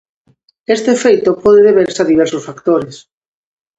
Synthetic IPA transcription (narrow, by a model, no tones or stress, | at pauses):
est̪eːfejt̪opɔðeðeβeɾsaðiβɛɾsosfakt̪oɾes